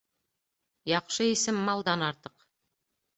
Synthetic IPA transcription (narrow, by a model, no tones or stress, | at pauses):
jɑqʃɤisɘmːɑlˠd̪ɑnɑɾt̪ɤq